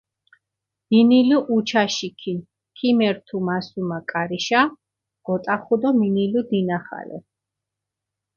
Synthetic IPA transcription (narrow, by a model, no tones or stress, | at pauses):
miniluʔːt͡ʃʰaʃikʰin | kʰimɛɾt̪ʰumasumakʼaɾiʃa | ɡ̥ɔt̪ʼaχud̪ɔminilud̪inaχa̰lɛ̰